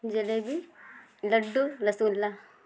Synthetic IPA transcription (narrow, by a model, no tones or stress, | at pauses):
d͡ʒelebi | lɐɖːulɐsuːlːa